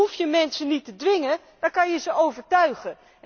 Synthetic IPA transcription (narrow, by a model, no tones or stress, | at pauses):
ufjəmɛnsənitədʋɪŋə | d̥ɔkɑnjəzəʔowvəɹtœɥχə